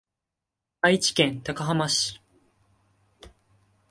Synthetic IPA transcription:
ait͡ɕi̥kẽ̞nt̪akaɦamaɕi̥

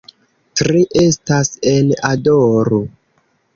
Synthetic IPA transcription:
tɾiʔe̞stasenadoɾo

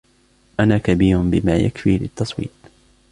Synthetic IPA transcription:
ʔanaːkabiːɾʊnbɪmaːja̰kfiːlɪt̪ːɑsˤwḭːt̪̚ˤ

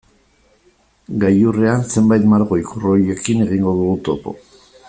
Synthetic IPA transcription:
ɡajureanse̞mbajt̪maɾɣo̞ikuro̞je̞kine̞ɣiŋɡo̞ðuɣut̪o̞po̞̰

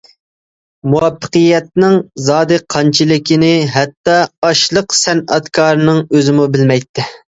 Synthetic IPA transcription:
muwɑpʰːə̥qɨjːɛt̪̚nɪŋzɑːd̪ɨqʰɑnt͡ʃʰɪlɪkʲinɪɦɛt̪ːɑːʃlˠəqsɛnɑt̪kʰɑːɾnɨŋøzɪmubɪlmɛjt̪ːɪ

